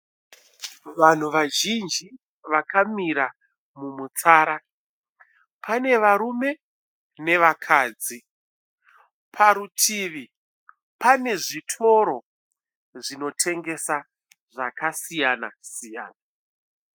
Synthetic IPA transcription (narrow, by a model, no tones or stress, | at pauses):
ʋan̤uʋaʒind͡ʒi | ʋakamiɾa | mumut͡saːɾa | pʰane̞ʋaɾume̞ | ne̞ʋakʰaːd͡zi | pʰaɾutʰiːʋi | pane̞ʐitʰo̞ɾo̞ | ʐino̞tʰe̞ŋɡe̞sa | ʐakasijana̰sija̰ːna